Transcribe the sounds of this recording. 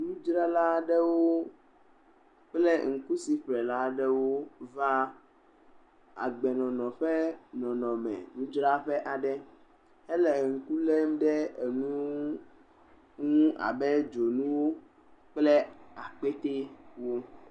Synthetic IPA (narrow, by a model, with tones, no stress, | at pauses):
nũ˦d͡ʒɾa˦la˦ɖɛ˦wo˦ | k͡plɛ˦ŋ̩˨ku˦si˨ɸɾɛ˨la˦ɖɛ˦wo˦va˦ | a̰˨ɡ͡bɛ˨nɔ̃˨nɔ̃˨ɸɛ˦nɔ̃˨nɔ̃˨mɛ̰̃˨nũ˦d͡ʒɾa˦ɸɛ˦ʔa˨ɖɛ˦ | ɛ˦lɛ˨ŋ̩˨ku˦le˦m˦ɖɛ˦e˨ŋũ˦ | ŋũ˦ʔa̰˨bɛ˦d͡ʒo˨nũ˦wo˦ | k͡plɛ˦a˨k͡pe˦t̪e˦wo˦